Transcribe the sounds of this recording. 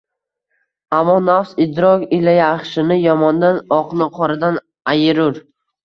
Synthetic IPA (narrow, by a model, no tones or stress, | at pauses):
amːɒnafsɪd̪ɾɒkʲɪlajaːχʃɪnɪjɒmɒnd̪anɒqnɪqʰɒɾɪd̪an | ajɪɾʊɾ